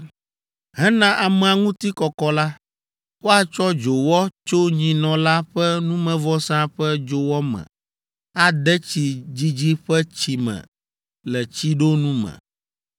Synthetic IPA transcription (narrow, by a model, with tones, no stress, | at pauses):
ɦɛ˦nã˦ʔa˨mɛ˨a˨ŋũ˦t̪i˦kɔ˨kɔ˨la˦ | wo˦a˨t͡ʃɔ˦d͡ʒo˨wɔ˦t͡ʃo˦ɲĩ˨nɔ̃˨la˦ɸɛ˦nũ˦mɛ̃˨vɔ˦sã˦ɸɛ˦d͡ʒo˨wɔ˦mɛ̰̃˨ | a˨d̪ɛ˦t͡ɕi˨d͡ʑi˦d͡ʑi˦ɸɛ˦t͡ɕi˨mɛ̰̃˨ | lɛ˨t͡ɕi˦ɖo˦nũ˦mɛ̰̃˨